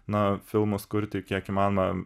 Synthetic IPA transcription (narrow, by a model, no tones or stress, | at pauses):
nɐfʲɪlˠmʊskʊɾʲt̪ʲɪkʲiɛkimɑːnomɐ